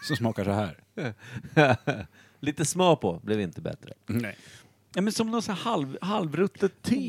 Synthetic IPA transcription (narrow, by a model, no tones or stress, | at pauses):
sɔmsmɑːkaʂɔɦæ̰ːɾ | liːt̪əsmœːpʰɔblɛvɪnt̪əbɛ̰t̪ɾə̰ | nɛmɛnsɔmnɔt̪sæhalvhalvɾɵt̪ʰːət̪ʰːi